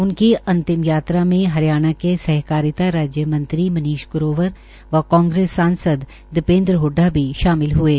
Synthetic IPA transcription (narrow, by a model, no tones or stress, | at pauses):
ʊnkiʔɐ̃nt̪ɪmjaːt̪ɾamẽɦɐɾjaːɽ̃akesɛɦkaːɾɪt̪aɾaːd͡ʒjəmɐ̃nt̪ɾimɐniːʃkʊɾoːʋəɾ | ʋɐkɔ̃ːŋɡɾeːsːãːnsəd̪ | d̪ɪpẽːnd̪ɾɦʊɖʱːabʱiʃaːmɪlɦueː